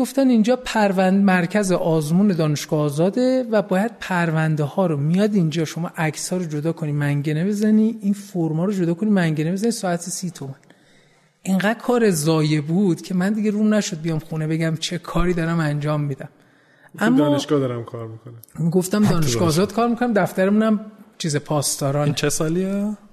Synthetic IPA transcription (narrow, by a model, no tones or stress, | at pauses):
ɡoft̪ænind͡ʒɒːpʰæɾvænmæɾcʰæzeʔɒːzmuːne̞d̪ɒːneʃɡ̥ɒːzɒːd̪e̞væbɒːjæd̪̥̚pʰæɾvænd̪ehɒːɾomijɒːd̪ind͡ʒɒːʃomɒːʔæcʰsɒːɾod͡ʒod̪ɒːkʰonimæŋɟene̞be̞zæniːʔinfoɾmɒːɾod͡ʒod̪ɒːkʰonimæŋɟene̞be̞zænisɒːæt̪ʰesiːt̪ʰomæn | ʔeŋɡæd̥̪̚kʰɒːɾezɒːje̞buːd̪̥cʰe̞mænd̪iɡɟe̞ɾumnæʃod̪̚bijɒːmxunebe̞ɟæmt͡ʃʰe̞kʰɒːɾiːd̪ɒːɾæmænd͡ʒɒːmːiːd̪æm | ʔæmːdɒːneʃɡɒːd̪ɒɾæmkʰɒːɾmikʰonæmiɡoft̪æmd̪ɒːneʃɡɒːzɒːd̪̥kʰɒːɾmikʰo̞næmd̪æft̪æɾemunæmt͡ʃʰiːzepʰɒːst̪ɒːɾɒːnt͡ʃʰesɒːlie